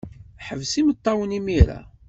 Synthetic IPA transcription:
ħəvsimət̪ˤːɑwənimiɾa̰

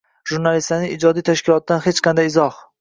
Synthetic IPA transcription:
ʒuɾnalist̪anɪid͡ʒɒd̪ijt̪ʰaʃkʲɪlˠɒt̪̚d̪anhet͡ʃqʰɑnd̪ajɪzɒh

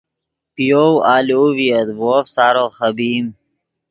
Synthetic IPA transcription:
pijowaːloːviɐd̪woːfsaːɾoːxəbiːm

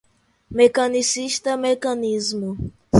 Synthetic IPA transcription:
mekɐnisiʃt̪ɐmekɐnizmʊ

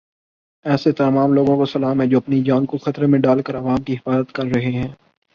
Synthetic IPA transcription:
ɛːset̪ɐmaːmloːɡõkosɐlaːmɦɛd͡ʒoːɐpnid͡ʒaːnkoxɐt̪ɾemẽɖaːlkəɾɐʋaːmkiɪfaːzət̪kɐɾːɐɦeɦɛ̃ː

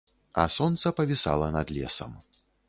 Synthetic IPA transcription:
ɐ̰sɔnt̪sɐpɐvʲisa̰lˠɐnɐd̪lʲɛ̰sɐ̰m

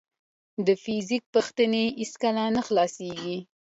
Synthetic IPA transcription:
d̪əfizik̚pəxt̪əneiskalanəxlɑseɡi

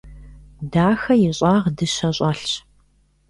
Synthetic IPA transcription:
daːxɐjɪɕʼaːʁdɨɕɐɕʼaːɬɕ

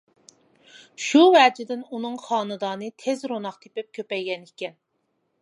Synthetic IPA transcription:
ʃuwɛːd͡ʒɪd̪ɪnunɨŋχɑːnɨd̪ɑːnɨt̪ʰezɾonɑχt̪ʰepɪp̚kʲʰøpɛjɡʲɛnikʲɛn

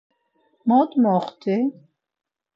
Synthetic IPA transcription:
mɔd̪mɔχt̪ʰi

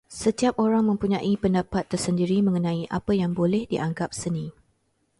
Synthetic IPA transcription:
sət̪iap̚oɾaŋmə̃mpuɲãʔipəndapat̪ːərsəndiɾimə̃ŋənãiʔapəjaŋbolɛhdiʔaŋɡap̚sənĩ

